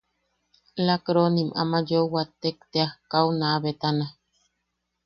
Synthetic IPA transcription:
lakɾonimʔa̰majowat̪ekt̪eahkawnaβet̪ana

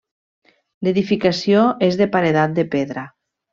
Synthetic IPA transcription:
leðifikasjoezðepaɾeðat̪̚d̪epeðɾa

